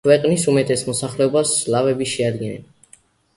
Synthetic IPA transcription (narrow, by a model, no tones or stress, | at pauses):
wɛqʼnisumɛt̪ʰʼɛsmɔsaχlɛɔbaslavɛbiʃɛad̪ɡɛnɛ̰n